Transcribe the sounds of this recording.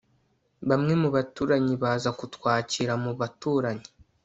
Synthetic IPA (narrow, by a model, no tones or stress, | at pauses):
βamŋe̞muβatuːɾaɲiβaːzakutwaːciɾamuβatuːɾaɲi̥